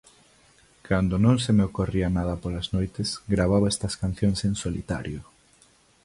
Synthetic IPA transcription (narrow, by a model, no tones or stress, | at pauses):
kʰand̪onõŋsemeokorianað̞ɐpolaznojt̪esɡɾaβ̞aβɛst̪ɐskan̟θjoŋsensolḭt̪a̰ɾjo